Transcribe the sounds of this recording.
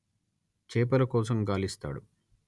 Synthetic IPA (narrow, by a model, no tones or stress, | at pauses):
t͡ʃeːpɐlɐkɔːsɐmɡaːlist̪a̰ːɽṵ